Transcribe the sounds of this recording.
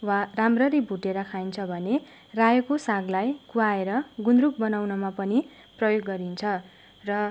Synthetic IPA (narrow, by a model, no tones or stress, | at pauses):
waramrʌɾibʱuʈeɾʌkʰajnt͡sʰʌbʱʌne | rajʌkosaɡlajkuaeɾʌɡunɾukbʌnawnʌmapʌni | prʌjoɡːʌɾint͡sʰʌ | rʌ